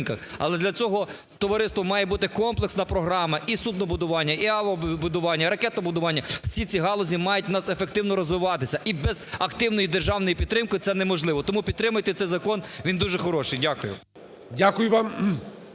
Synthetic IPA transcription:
nkɐxɐ̰lˠɛd̪lʲɐt͡sʲɔɦɔ | t̪ɔʋɐɾɪst̪ʋɔmɑjɛbut̪ɪkɔmplˠeksnɐpɾɔɦɾɑmɐʔisud̪̚nɔbʊd̪ʊʋɑnʲːɐʔiɑʋɐbʊd̪ʊʋɑnʲːɐɾɐkɛt̪nɔbʊd̪ʊʋɑnʲːɐw̥sʲit͡sʲiɦɑlˠɔzʲimɑjʊtʲnɑsefek̚t̪ɪwnɔɾɔzʋɪʋɑt̪ɪsʲɐʔibɛzɐkt̪ɪwnɔjid̪erʒɑwnɔjipʲid̪t̪ːɾɪmkjɪt̪ɛnɛmɔʒlˠɪʋɔt̪ɔmupʲid̪̚t̪ɾɪmʊjt̪ɛt̪sɛjzɐkɔnʋʲind̪uʒɛxɔɾɔʃɪjdʲakʊjʊ̰ | dʲakʊjʊʋɑm

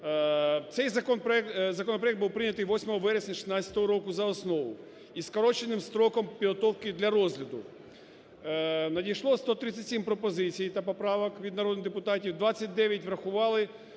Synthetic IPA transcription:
t̪sɛjzɐkɔnpɾɔɛktzɐkɔnɔp̬ɾɐjɛk̪̚buwpɾɪnʲɐt̪ɪjʋɔsʲmɔɦɔʋɛɾesʲnʲɐʃɪ̥snɑt͡sʲɐ̥t̪ɔɦɔɾɔkʊzɐɔsnɔʋʊ | iskɔɾɔt͡ʃenɪmst̪ɾɔkɔmpʲiɦɔt̪ɔwkɪd̪lʲɐɾɔzʲlʲɐd̪ʊ | nɐdʲijʃlˠɔst̪ɔt̪ɾɪt͡sʲːɐtʲsʲimpɾɔpɔzɪt͡sʲijt̪ɐpɔpɾɑʋɐkʋʲid̪nɐɾɔd̪d̪epʊt̪ɑtʲiwd̪ʋɑt͡sʲːɐt̚ʲd̪ɛʋʲjɐtʲʋɾɐxʊʋɑlˠɪ

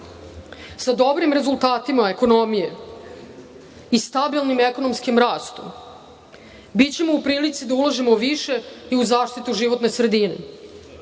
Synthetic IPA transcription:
sad̪obɾimɾe̞zulˠt̪aːt̪imaeko̞no̞mije | ist̪abilˠnimeko̞no̞mskimɾaːst̪u | bitt͡ɕe̞moupɾiːlit̪sid̪aulˠaʒimoʋiʃe̞iuzaːʃt̪it̪uʒiʋo̞t̪ne̞sɾe̞d̪inḛ

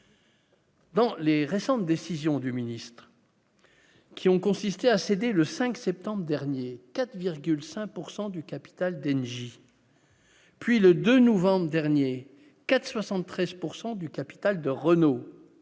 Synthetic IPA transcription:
d̪ɑ̃leʁesɑ̃t̪̚d̪esizjɔ̃d̪yminist̪χ | kʲʰiɔ̃kɔ̃sist̪eased̪eləsɛ̃ksɛp̚t̪ɑ̃bʁd̪ɛʁnjekat̪viʁɡʲylsɛ̃k̚puʁsɑ̃d̪ykapi̥t̪ald̪ɛnʒi | pɥiləd̪ønɔvɑ̃bʁd̪ɛʁnje | kat̪swasɑ̃t̪ːχɛzpuʁsɑ̃d̪ykapi̥t̪ald̪əʁəno

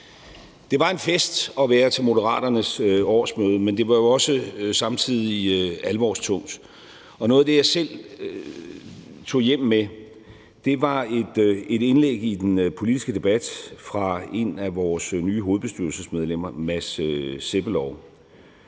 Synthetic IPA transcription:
d̥e̝ʋɑ̈e̝nfesd̥ɒ̽ʋæːɐt͡sʰe̝lmo̝dəʁɑ̰̈ːd̥ɐnəsɒ̰ːsmøːðˠəmend̥e̝ʋɑ̈jo̝ɒ̽səsɑ̈mt͡sʰið̞̰ˠiælʋɒ̰ːst͡sʰɔ̽ŋ̰d̥ | ɒ̽nɔ̽ːð̩ˠd̥e̝jɑ̈ɪsel̰ | t͡sʰo̝̰ːjem̰me | d̥e̝ʋɑ̈e̝d̥e̝ɾe̝nleɡ̥id̥enpʰo̝lid̥isɡ̥əd̥e̝b̥æd̥fʁɑ̈e̝næʋɒːsnyːɦo̝ːð̞̩ˠb̥e̝sd̥yɐlsəsmeð̞ˠlem̰ɐmæseb̥əlɒʊ

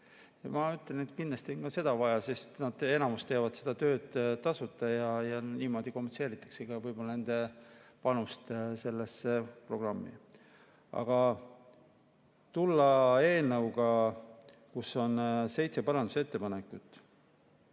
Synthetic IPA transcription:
jɑmɑyt̪ˑlenet̪kindlɑst̪ionkɑse̞d̪̥ɑvɑjɑsest̪nɑd̪̥e̞nɑmust̪e̞ːvɑd̪̥se̞d̪̥ɑt̪ø̞ːd̪̥t̪ɑsut̪ːˑɑjɑjɑniːmo̞ːd̪̥iko̞mːense̞ːɾit̪ːˑɑ̥kseɡ̥ɑvɤjb̥o̞lɑne̞nd̪e̞pɑnust̪se̞lːesepro̞ɡ̥rɑmːḭ | ɑ̰ɡ̥ɑ | t̪ulːɑe̞ːlnɤwɡɑ | kusːo̞nse̞jt̪se̞pɑɾɑnd̪̥use̞t̪ːepɑne̞kːˑut̪ːˑ

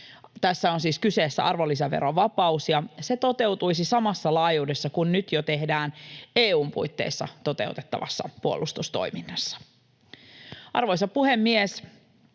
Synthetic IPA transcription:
t̪æsːæonsiːskyseːsːæ̰ʔɑrʋolːis̬æʋḛɾoʋɑpɑusjɑse̞t̪o̞t̪e̞wt̪ujsisɑmɑsːɑlɑːjuːdesːɑkunnyt̪jot̪e̞ɦdæːneːuːmpṵjt̪ːe̞̰isːɑ̰t̪o̞t̪e̞̰ut̪et̪ːɑ̰ʋɑ̰sːɑ̰puolːˑʔust̪ust̪o̞̰iminːɑsːɑ̥ | ʔɑ̰rʋojsɑpuhemːies

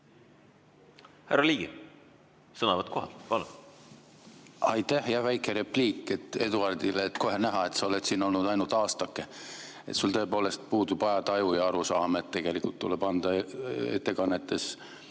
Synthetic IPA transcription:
hærɑliːɡi | sɤnɑvɑt̪koɦɑ̰lpɑlun | ɑjt̪ːæhjɑvæjkːˑeɾe̞pliːkˑːe̞t̪ːˑe̞d̪uɑrd̪̥ileːt̪ːko̞ɦenæɦɑe̞t̪sɑo̞let̪siːno̞lnud̪ɑjnult̪ɑːst̪ɑkːˑe | et̪sult̪ɤ̞epoːle̞st̪̚puːd̪ub̥ɑjɑd̪ɑjujɑɑɾusɑːmet̪t̪ːe̞ɡ̥e̞likult̪ːuleb̥ɑnd̪̥ɑe̞̰t̪ːe̞kɑnːet̪ːe̞s

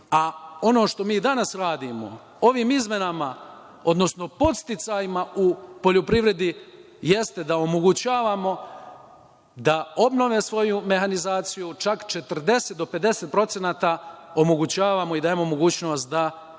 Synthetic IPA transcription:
ao̞no̞ːʃt̪o̞miːd̪anasɾaːd̪imo̞̰ | o̞ʋiːmizme̞nama | o̞d̪no̞sno̞po̞t̪st̪it̪sajimaupo̞ʎopɾiʋɾe̞d̪i | jest̪e̞d̪ao̞mo̞ɡut͡ɕaːʋaːmo̞ | d̪ao̞bno̞ʋeːsʋo̞jume̞xanizaːt̪sijut͡ʃakt͡ʃe̞t̪rd̪e̞set̪̚d̪o̞pe̞d̪e̞se̞t̪̚pɾo̞t̪se̞naːt̪ao̞moɡut͡ɕaːʋaːmo̞id̪aimomo̞ɡuːt͡ɕno̞ːst̪d̪a

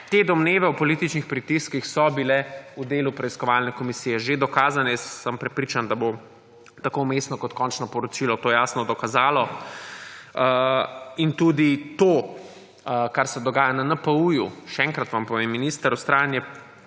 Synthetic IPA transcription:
t̪ed̪ɔmneːʋɛupɔliːt̪it͡ʃnixpɾit̪iskixsɔbilɛud̪eːlupɾɛiskɔʋalnɛkɔmisiːjɛʒed̪ɔkaːzanɛjɛsːəmpɾɛpɾit͡ʃand̪abo | t̪akomesnɔkɔt̪kɔnt͡ʃnɔpɔɾɔt͡ʃilɔt̪oːjaːsnɔd̪ɔkazaːlɔ | int̪uːd̪it̪oː | kaɾsɛd̪ɔɡaːjananəpəujuʃɛɛːŋkɾɐt̪ʋampɔʋemːinist̪əɾust̪ɾaːnjɛ

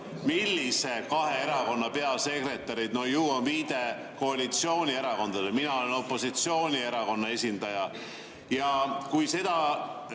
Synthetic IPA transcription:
milːise̞kɑɦe̞eɾɑko̞nːɑpe̞ɑlse̞kre̞t̪ːˑɑɾid̪̥no̞juːonviːd̪e̞ | ko̞ɑlʲit̪sio̞ːnʲie̞ɾɑko̞nd̪̥ɑd̪eminɑo̞leno̞pːˑo̞sit̪sio̞ːnʲie̞ɾɑko̞nːɑe̞sʲind̪̥ɑjɑ | jɑkujse̞d̪̥ɑ

